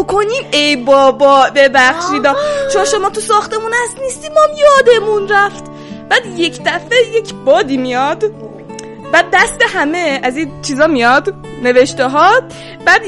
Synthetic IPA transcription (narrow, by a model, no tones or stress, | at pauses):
okʰoniːmejbɒːbɒːbebæxʃiːd̪ɒːt͡ʃomɔʃomɒːt̪ʰusɒːxt̪e̞munæst̪nist̪iːmɔmjɒːd̪e̞munɾæft̪ | b̥æːd̪je̞cʰd̪æfejecʰbɒːd̪iːmijɒd̪ | bæd̪̚ːæst̪e̞ɦæme̞æzit͡ʃʰiːzɒːmijɒd̪ | ne̞ve̞ʃt̪eɦɒ | b̥æːd̪